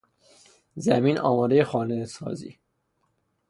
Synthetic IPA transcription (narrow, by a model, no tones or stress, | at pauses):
zæmiːnɒ̰ːmɒːd̪ejexɒːnesɒ̰ːzḭː